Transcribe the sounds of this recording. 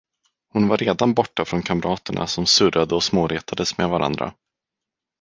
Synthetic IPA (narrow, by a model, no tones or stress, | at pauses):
hʊnvaɾːeːd̪anbɔʈːafɾɔnkʰamɾʔɑːt̪əɳa̰sɔmsɵɾad̪əɔsmoːɾeːt̪ʰad̪əsmeːvaɾʔa̰nd̪ɾa̰